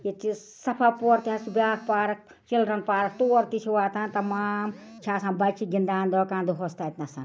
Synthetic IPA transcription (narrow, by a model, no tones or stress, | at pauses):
jit͡ʃi | sɐpʰapoɾt̪iɦãsubʲaːkʰpaːɾɐk̚ | t͡ʃilɾɐnpaːɾɐk̚t̪oːɾt̪it͡ʃʰiwaːt̪ãnt̪ɐmaːm | t͡ʃʰaːsãbɐt͡ʃʰiɡind̪aːnd̪oːkãːnd̪uɦost̪at̪nasɐ̰̃n